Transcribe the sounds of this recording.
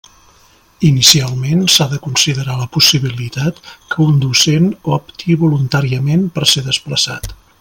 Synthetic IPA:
inisialˠmensaðəkunsiðəɾaləpusiβilit̪at̪kʰəund̪usenɔpt̪iβulunt̪aɾiəmenpəɾseðəspləsa̰t̪

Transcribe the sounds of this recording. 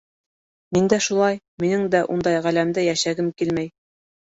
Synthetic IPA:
mind̪æʃulˠɑj | minɘŋd̪æʔund̪ɑjʁælæmd̪ɘjæʃæɡɘmkilmæj

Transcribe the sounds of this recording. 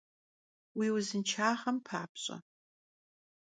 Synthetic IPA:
wiːwzɨnt͡ʃʰaːʁɐmpʰaːpʰɕʼɐ̰

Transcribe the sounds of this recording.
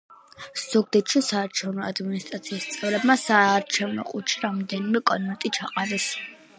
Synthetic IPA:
z̥ɔɡ̚d̪ɛt̪ʃisaːɾt͡ʃʰɛvnɔad̪minist̪ʼɾat̪sʰiːst̪sʼɛvɾɛbmasaːɾt͡ʃʰɛvnɔ̰qʼut͡ʃʰiɾamɔd̪ɛnimɛkʼɔnmɛnt̪ʼit͡ʃʰaqʼazɛs

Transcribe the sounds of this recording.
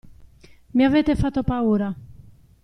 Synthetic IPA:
miaveːt̪efat̪ːopauːɾa

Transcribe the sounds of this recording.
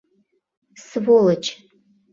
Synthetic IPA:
sɨvolɐt͡ʃʰʼ

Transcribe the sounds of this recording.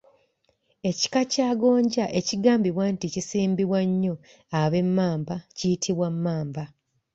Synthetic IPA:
e̞ci̥kacaːɡo̞ːɲɟaʔe̞ciɡaːmbiβwanticisiːmbiβwaɲːo̞ | aβe̞mːaːmbacijitʰiβwamːaːmba

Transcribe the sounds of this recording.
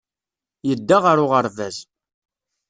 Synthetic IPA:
jəd̪ːaʁəɾʊʁəɾvæz

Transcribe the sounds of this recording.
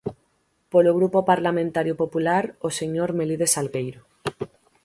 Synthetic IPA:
poloɣ̞ɾupopaɾlamẽnt̪aɾjopopulaɾoseɲoɾmeliðesalɣejɾo

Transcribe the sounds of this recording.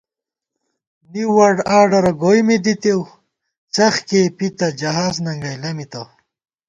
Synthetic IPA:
niwɐɖaːɖɐɾɐɡojmid̪it̪ew | t͡sɐxkepit̪ɐd͡ʒɐɦaːznɐŋɡɐjlɐmit̪ɐw

